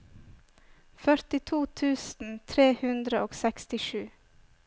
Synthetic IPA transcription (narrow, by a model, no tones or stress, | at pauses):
fœɾt̪ɪt̪ʰuːt̪ʰʉːsn̩t̪ʰɾeːhʉnd̪ɾəʔoːɡsɛkst̪ɪʃʉː